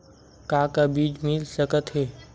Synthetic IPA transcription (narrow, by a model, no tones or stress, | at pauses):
kakabiːd͡ʒmɪlsəkət̪ɦɛː